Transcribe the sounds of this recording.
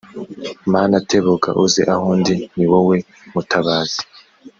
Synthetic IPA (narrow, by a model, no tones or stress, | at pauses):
maːnatʰeβoɡa̰ʔuzeʔahuːndiniwowe̞ | mutʰaβaːz̥i̥